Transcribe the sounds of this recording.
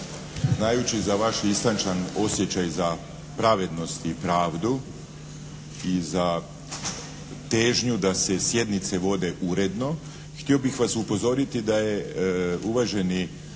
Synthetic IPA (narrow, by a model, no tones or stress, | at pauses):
znajut͡ɕizaʋaʃist̪ant͡ʃano̞sje̞t͡ɕajza | pɾaʋe̞d̪no̞st̪ipɾaːʋd̪u | iza | t̪e̞ːʒɲud̪ase̞sje̞d̪nit̪se̞ʋo̞d̪e̞ʔuɾe̞d̪no̞ | xt̪io̞bixʋasupo̞zo̞ɾit̪id̪aje̞uʋaʒe̞ni